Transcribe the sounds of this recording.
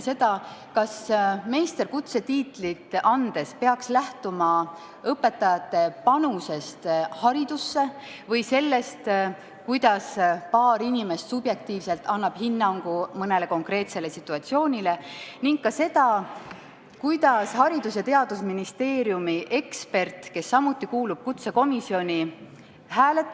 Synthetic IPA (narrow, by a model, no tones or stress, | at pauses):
se̞d̪̥ɑkɑsme̞jst̪e̞rkut̪se̞t̪iːt̪ːˑlit̪ːˑɑnd̪̥e̞spe̞ɑkslæht̪umɑ | ɤpːe̞t̪ːˑɑjɑt̪ˑːe̞pɑnuse̞st̪hɑɾid̪̥usːe̞ | vɤjse̞lːe̞st̪ | kujd̪̥ɑspɑːɾinʲime̞st̪subje̞k̚t̪iːvse̞lt̪ːˑɑnːɑb̥hinːɑŋɡ̥umɤne̞le̞ko̞ŋkre̞ːt̪se̞le̞sit̪ːˑuɑt̪sio̞ːnʲile̞niŋkkːɑse̞d̪ɑ | kujd̪̥ɑshɑɾid̪̥us̬jɑt̪e̞ɑd̪̥usminist̪e̞ːɾjumiʔe̞kspe̞rt̪ke̞sːɑmut̪ˑːikuːlub̥̚kut̪se̞ko̞misio̞nʲi | hæːle̞t̪ːˑ